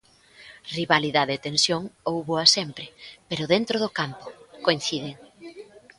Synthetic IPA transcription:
riβaliðaðeːt̪ensjoŋowβoasempɾɪpeɾʊðent̪ɾoðʊkampʊ̥koin̟θiðeŋ

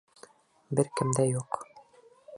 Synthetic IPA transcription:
bɘɾkɘ̆md̪æjuq

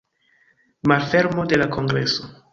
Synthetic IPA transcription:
malfeɾmode̞lakʰo̞ŋɡɾḛso

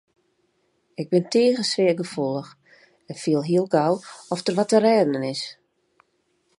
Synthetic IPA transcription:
ɪɡ̚bɪntʰeːɣəsʋɪəɡəfulˠəx | ɛnfiəlˠɦiəlˠɡawɔfdərʋɔtərɛːdənənɪs

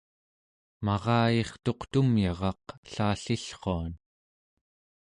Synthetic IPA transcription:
mɑʁɑːjeχt̪o̞qt̪umjɑʁɑqɬaːɬiɬχoan

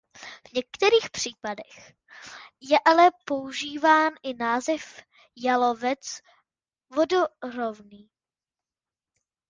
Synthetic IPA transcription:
vɲɛkt̪ɛɾiːxpr̝̥iːpadɛx | jɛʔalɛpo̞uʒiːvaːnʔɪnaːzɛf | jalo̞vɛt͡s | vodoro̞vniː

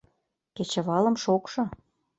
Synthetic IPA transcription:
ket͡ɕĕβɑlə̆mʃokʃɤ̆

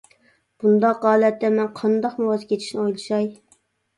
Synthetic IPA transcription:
b̥und̪ɑqʁɑːlˠɛt̪ːɛmɛnqʰɑnd̪ɑqmuwɑzkʲʰet̪ʰi̥ʃnɪojlˠɨʃɑj

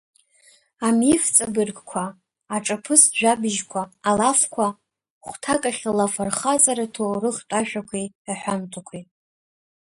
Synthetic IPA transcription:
amift͡sʼabɨrɡkʷʰaː | ʈ͡ʂʼapʰɨsʒᶣabɨʒkʷʰaːlafkʷʰa | χʷtʰakʼaχʲlafarχazʼaɾatʰorɨχtʷʼaʃᶣakʷʰej | aħʷᶣantʰakʷʰi

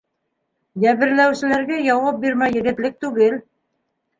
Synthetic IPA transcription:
jæβɘ̆ɾlæwsɘ̆læɾɡæjɑwɑp̚biɾmæjɘ̆ɡɘ̆t̪lɘk̚t̪ʉɡɘl

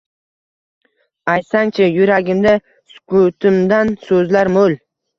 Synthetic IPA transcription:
ajt̪saŋt͡ʃʰɪjʊɾaɡʲɪmd̪a | skut̪ʰɪmd̪ansɵzlaɾmol

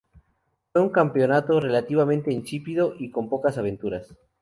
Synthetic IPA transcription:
fwe̞uŋkampeo̞nat̪o̞re̞lat̪iβamẽ̞nt̪e̞int͡ʃipiðo̞ʔiko̞mpo̞kasaβẽ̞nt̪uɾas

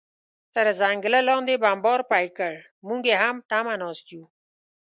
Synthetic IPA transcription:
t̪əɾəzaːŋɡələlõːnd̪eːbaːmboːɾpaːikəɽ | mũːŋɡeːɦamt̪aːmãːnoːst̪jũː

